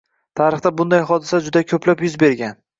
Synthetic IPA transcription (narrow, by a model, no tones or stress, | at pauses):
t̪ʰaɾɨχt̪abʊnd̪ajɦɒd̪ɪsad͡ʒʊd̪akʰɵpʰlapjʊzbe̞ɾɡʲan